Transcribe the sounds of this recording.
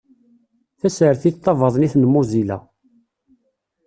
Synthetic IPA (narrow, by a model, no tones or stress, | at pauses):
θæsəɾθit̪ˤːɑvɑðˤniθnəmːʊzilæ̰